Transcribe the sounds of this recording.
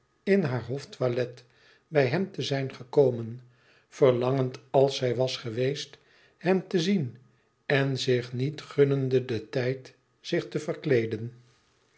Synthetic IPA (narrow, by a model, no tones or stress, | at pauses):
ɪnɦaːɹɦoftʋalɛt | bɛjɦɛmtəzɛjnχəkowmən | v̥əɹlɑŋəntɑlˠsɛjʋɑsχəʋejst | hɛmtəzin | ɛnzɪχnitχɵnəndədətɛjt | z̥ɪχtəvərklejdən